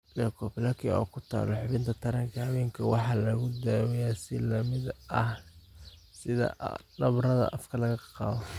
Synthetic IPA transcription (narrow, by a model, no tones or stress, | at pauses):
lɛkʰɔpɪlɐkʰiɔ̰ːkʰʊt̪ʰa̰ːlɔħʊβɪnt̪ʰɐt̪ʰɐɾɐŋkʰɐhɐwɛːŋkʰɐwɑħɑːlɐɣʊd̪aːwɛjasɪlɐmɪdʔɐh | sɪðɐ̰nɐβrɐðɐ̰ʔɐfkʰɐlɐɣɐqɑ̰ːβɔ